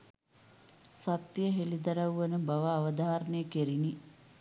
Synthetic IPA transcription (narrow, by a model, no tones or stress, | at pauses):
sɐt̪jəɦelid̪ɐɾɐʋuʋɐnəbɐʋaːʋɐd̪aːɾənejəkeɾini